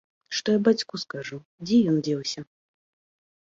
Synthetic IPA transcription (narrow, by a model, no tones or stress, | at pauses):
ʂt̪ɔjabat͡sʲkuskaʐu | d͡zʲɛjɔnd͡zʲɛwsʲɐ